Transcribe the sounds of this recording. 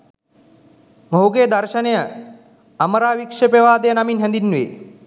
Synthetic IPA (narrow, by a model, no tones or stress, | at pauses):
moɦuɡeːd̪arʃənejə | aməɾaːʋikʂepeʋaːd̪ejənaminɦɛnd̪inːʋḛ